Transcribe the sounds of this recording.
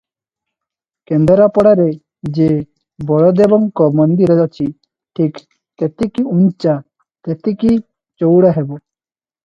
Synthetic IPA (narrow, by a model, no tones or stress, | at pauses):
kend̪ɔɾapɔɽaɾe | d͡ʒe | bɔɭɔd̪ebɔŋkɔmɔnd̪iɾeɔt͡ʃʰi | ʈʰik | t̪et̪ekiunt͡ʃa | t̪et̪eki | t͡ʃowɽaɦebɔ